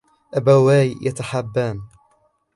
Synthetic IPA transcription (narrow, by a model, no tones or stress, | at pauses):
ʔabawaːjjat̪aħabːaːm